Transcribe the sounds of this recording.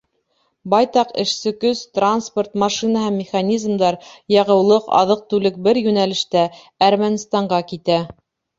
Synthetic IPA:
bɑjt̪ɑqɘ̰̆ʃsɘkɵzt̪ransport̪mɑʃinəɦæmːʲɪχanʲizmd̪ɑɾjɑʁɤ̆wlˠɤqɑ̰ðɤq̚t̪ʉlɘk̚bɘɾjʉnælɘ̆ʃt̪æ | æɾmænʲst̪ɑɴɢɑkit̪æ

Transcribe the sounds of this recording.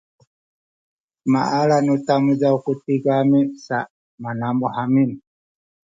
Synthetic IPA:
ma̰ʔalanutamud͡ʒaukutiɡamisa | manambɔhamini

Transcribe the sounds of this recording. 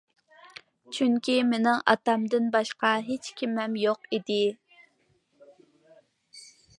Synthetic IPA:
t͡ʃʰyŋkʲimenɪŋɑ̰t̪ɑmd̪ɨnbɑʃqɑɦet͡ʃkʲʰimɛmjoqid̪ɪ

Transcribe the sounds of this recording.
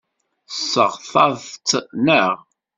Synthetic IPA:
sːəʁθɑðt̪ːnəʁ

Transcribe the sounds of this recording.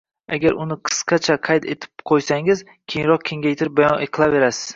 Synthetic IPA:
aɡʲaɾʊnɪqʰɨ̥sqʰɑt͡ʃʰaqʰɑjt̪ʰe̞t̪ʰɪ̥pqʰojsaŋɪz | kʲʰejɪŋɾɒq̚kʲʰe̞ŋɡʲajt̪ʰɪɾɪp̚bajɒneqʰɨlˠave̞ɾasɪ̥z̥

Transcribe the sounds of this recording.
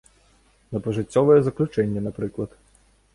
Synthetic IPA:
nɐpɐʐɨt͡sʲːɔvɐjɛzɐklʲut͡ʂɛnʲːɐnapɾɨklˠɐt̪

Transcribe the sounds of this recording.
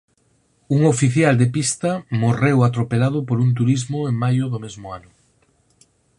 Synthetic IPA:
uŋofiθjald̪epist̪ɐmorewat̪ɾopelað̞ʊpoɾunt̪̬uɾizmʊeŋmajʊðʊmezmʊanʊ

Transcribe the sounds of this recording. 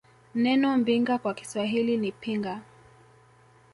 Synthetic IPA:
nɛnɔm̩biŋɡakwaki̥swaɦilinipiŋɡa

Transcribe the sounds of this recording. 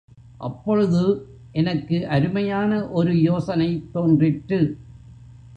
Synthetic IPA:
ʔɐ̰pːɔɻɯðɯ | ʔɛnɐkːɯʔɐɾɯmɐjaːnɐʔɔɾɯjoːsɐnɐɪt̪ːoːndrɪʈɾɯ

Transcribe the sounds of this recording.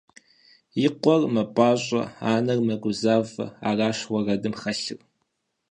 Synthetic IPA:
jɪqʷɔrmɐpʼɑːɕʷʼɐ̰aːnɐrmɐɡʷʊzaːvɐ̰a̰ːraːʃwʷɐrɐdɨmχɐɬɨr

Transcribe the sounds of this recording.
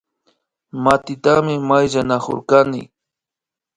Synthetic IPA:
mat̪ɪt̪amɪmajʒanako̰ɾkanɪ̰

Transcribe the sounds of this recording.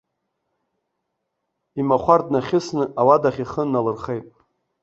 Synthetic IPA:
imaχʷardnaχʲɪsnɨʔawadaχʲiχənnːalɨrχejtʼ

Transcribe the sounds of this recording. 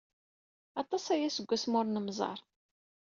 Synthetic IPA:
ɑt̪ˤɑsæjæsəɡʷːæsmʊɾnəmzˤɑ̰ɾˤ

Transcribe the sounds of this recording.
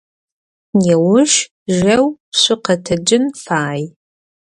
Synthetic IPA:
jɛwʊʃ | ʒɐwpɕʷʊqɐtʰɐd͡ʒɨnfaːj

